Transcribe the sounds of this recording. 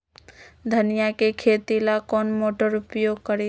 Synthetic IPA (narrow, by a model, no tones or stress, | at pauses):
d̪ʱənɪjakekʰeːt̪ilakɔːnmoːʈəɾʊpjoːɡ̚kəɾe